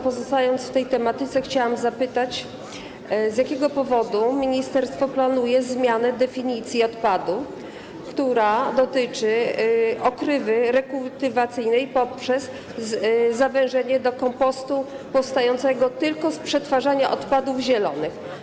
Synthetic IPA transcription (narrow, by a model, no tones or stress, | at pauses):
pɔzɔst̪ajɔnt̪sft̪ɛjt̪ɛmat̪ɘt̪sɛxt͡ɕawamzapɘt̪at͡ɕ | zjakʲɛɡɔpɔvɔd̪umʲiɲist̪ɛɾst̪fɔplanujɛzmʲjanɛd̪ɛfʲiɲit̪sʲjiɔt̪pad̪u | kt̪uɾad̪ɔt̪ɘt͡ʂɘ | ɔkɾɘvɘɾɛkult̪ɘvat̪sɘjnɛjpɔpʂɛz | zavɛ̃w̃ʐɛɲɛd̪ɔkɔmpɔst̪u | pɔfst̪ajɔnt̪sɛɡɔt̪ɘlkɔspʂɛt̪faʐaɲaʔɔt̪pad̪uvʑɛlɔnɘx